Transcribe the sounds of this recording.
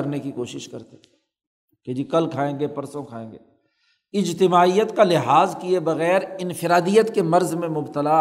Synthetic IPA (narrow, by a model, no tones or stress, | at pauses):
ɐɾnekikoːʃɪʃkɐɾt̪e | ked͡ʒiːkɐlkʰaːẽːŋɡepɐɾsõkʰaːḛ̃ːŋɡeː | ɪd͡ʒt̪ɪmaːijət̪kalɪɦaːzkiebɐɣɛːɾɪnfɪɾaːd̪ijət̪kemɐɾzmẽmʊbt̪əla